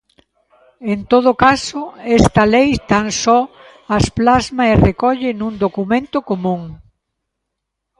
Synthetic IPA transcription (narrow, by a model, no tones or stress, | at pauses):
ent̪oð̞ʊkasʊɛst̪ɐlejt̪aŋsɔ | ɐsplazmaerekɔʎɪnũnd̪okumẽnt̪ʊkomũŋ